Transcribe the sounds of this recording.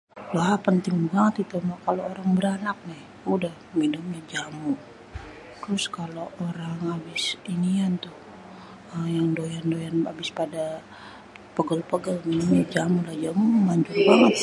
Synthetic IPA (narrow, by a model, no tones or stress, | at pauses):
lapənt̪ɪŋbaŋət̪it̪umakalooɾaŋbəɾanak̚nɪh | udahminʊmɲad͡ʒamu | t̪ɾʊskaloʔoɾaŋabɪsinijant̪ʊh | əjaŋdojandojanabɪspada | pəɡəlpəɡəlminʊmɲad͡ʒamulahd͡ʒammaɲd͡ʒʊrbaŋət̪̚